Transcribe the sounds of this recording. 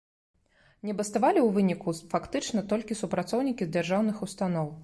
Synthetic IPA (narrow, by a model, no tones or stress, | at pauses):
nʲɛbɐst̪avalʲiwvɨnʲikufakt̪ɨt͡ʂnɐt̪ɔlʲkʲisupɾat̪sɔwnʲikʲizd͡zʲɛrʐawnɨxust̪anɔw